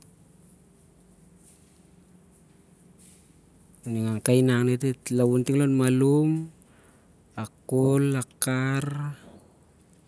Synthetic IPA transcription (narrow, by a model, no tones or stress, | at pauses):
niŋaŋkajnaŋnet̬etlawuntiŋlonmalum | akolakar